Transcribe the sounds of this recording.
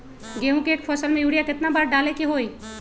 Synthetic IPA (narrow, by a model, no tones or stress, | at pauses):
ɡeːɦũkeeːkpʰəːsəlmẽjuːɽijakɪt̪nabaːɾɖaːlekeɦoːi